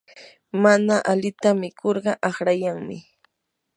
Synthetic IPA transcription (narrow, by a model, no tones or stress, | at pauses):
manaʔalɪt̪amɪkʰoɾɢɑʔɑχɾajaŋmɪ